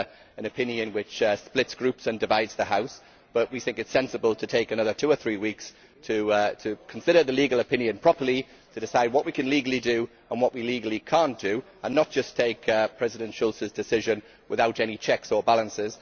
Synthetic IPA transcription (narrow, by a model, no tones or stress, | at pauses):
ə̃nəpʰɪ̃njə̃ɪ̃nwɪt͡ʃsplɪtsɡ̥ɹʉˑpsə̃ndɪvaɪdz̥ðəhaʊs | b̥ʌʔwiθɪ̃ŋkɪtsɛ̃nsəbəlˠtʰətʰeɪkənʌðə˞tʰʉəθɹiːwiˑks | tʰətʰəkʰə̃nsɪɾəðəliːɡəlˠəpʰɪ̃njə̃npʰɹ̥ɒpəli | tʰədɪsaɪd̚wɒʔwikʰə̃nliːɡəl̩ˠidə | ə̃nwɒʔwiliːɡəlˠikʰɑ̃ˑnd̥ə | ə̃nːət̚d̥ʒ̥ʌstʰeɪkʰpʰɹ̥ɛzɪɾə̃nʃʊlˠsəzdɪsɪʒə̃n | wɪðaʊtɛñit͡ʃʰɛksəbalˠə̃nsɪz̥